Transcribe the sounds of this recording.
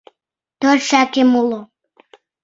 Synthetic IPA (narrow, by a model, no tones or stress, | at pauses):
t̪ørʃækemulo